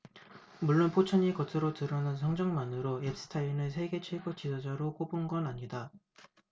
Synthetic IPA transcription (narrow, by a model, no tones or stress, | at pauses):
muɭːonpʰot͡ɕʰʌɲikʌtʰɯɾotɯɾʌnansʰʌŋd͡ʑʌŋmanɯɾoep̚s͈ɯ̥tʰainɯsʰe̞ɡe̞t͡ɕʰweɡot͡ɕisʰʌd͡ʑʌɾok͈obunɡʌnaɲida